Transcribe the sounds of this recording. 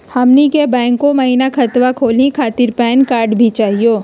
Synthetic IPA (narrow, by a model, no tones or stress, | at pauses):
hɐmnikebɛ̃ːŋkːomɐɦinakʰɐt̪ʋakʰoːlikʰaːt̪ɪɾpɛːnkaːɾɖbʱit͡ʃaːɦijoː